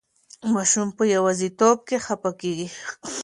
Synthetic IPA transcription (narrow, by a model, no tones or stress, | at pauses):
maʃʊmpəjawazit̪op̚kexapakeːɡi